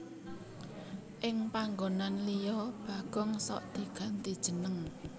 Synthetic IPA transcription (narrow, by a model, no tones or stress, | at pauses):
ʔɪŋpaŋɡonanlijɔb̥aɡ̥ɔŋsɔ̰ʔd̪̥i̤ɡ̥a̤nt̪id̥ʒ̥ə̤nəŋ